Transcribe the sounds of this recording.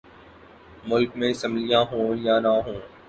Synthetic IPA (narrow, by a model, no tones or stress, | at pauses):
mʊlkmẽɪsə̃mlɪjãːɦũːjãːnaɦũː